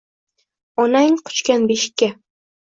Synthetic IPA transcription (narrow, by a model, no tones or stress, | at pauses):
ɒnaŋqʰʊ̥t͡ʃkʲanbeʃɪ̥kʲːa